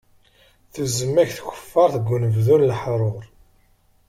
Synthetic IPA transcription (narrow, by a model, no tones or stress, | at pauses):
θəzːəmːæçθçə̥fːɑɾˤθəɡʷːunəvðunlħɾˤoɾˤ